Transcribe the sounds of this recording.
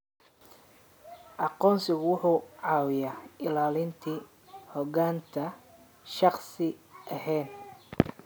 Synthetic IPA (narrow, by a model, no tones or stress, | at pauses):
ʔɑqɔːnsɪɣʊwʊħʊːʕɑːwɪjaːʔɪlaːlɪnt̪ʰiː | hɔɡaːnt̪ʰɐ | ʃɑqsɪʔɐhɛːn